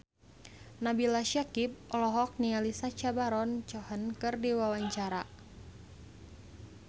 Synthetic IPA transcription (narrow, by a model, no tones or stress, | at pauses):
nabilaʃakip̚ɔlɔɦɔk̚nialisat͡ʃabaɾɔnt͡ʃɔhənkɨrdiwawaɲt͡ʃaɾa